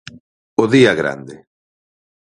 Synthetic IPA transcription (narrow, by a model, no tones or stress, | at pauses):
oðiaɣɾa̰nd̪e